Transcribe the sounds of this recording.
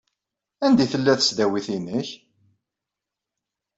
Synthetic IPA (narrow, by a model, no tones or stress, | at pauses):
ænd̪iθəlːæθə̥sd̪æwiθinəç